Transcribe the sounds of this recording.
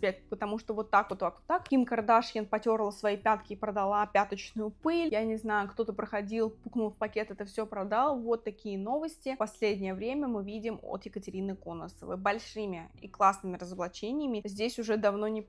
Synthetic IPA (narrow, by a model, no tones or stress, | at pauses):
pʲet̪̚ʲpət̪ɐmuʂt̪ovo̞t̪ːakvot̪ːakot̪ːakkʲimkɐɾrd̪aʂjʲɪnpɐtʲo̞ɾlˠəsvɐjipʲat̪kʲɪːpɾəd̪ɐlˠapʲat̪ət͡ɕnʊjʊpɨlʲjanʲɪznajʊkt̪o̞t̪əpɾəxɐdʲilˠppuknʊlˠfpɐkʲe̞t̪ɛt̪əfsʲopɾɐd̪alˠəvo̞t̪ːɐkʲijəno̞vəsʲtʲɪpɐsʲlʲedʲnʲɪjəvɾʲemʲəmɨvʲidʲɪmo̰t̪jɪkətʲɪɾʲinɨkonə̰sə̰vɨ̰bɐlʲʂɨmʲɪḭklˠasnɨmʲɪɾəzəblˠɐt͡ɕenʲɪjəmʲɪzʲdʲesʲʊʐɛd̪ɐvno̞nʲɪ